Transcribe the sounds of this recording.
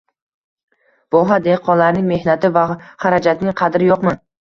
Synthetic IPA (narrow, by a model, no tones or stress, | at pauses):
vɒɦad̪eqʰɒnlaɾnɪŋme̞hnat̪ʰɪvaχaɾad͡ʒat̪nɪŋqʰɑd̪ɾɪjɒqman